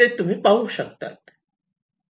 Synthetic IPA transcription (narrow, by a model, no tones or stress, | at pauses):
et̪um̤ipauʃɐk̚t̪a̰t̪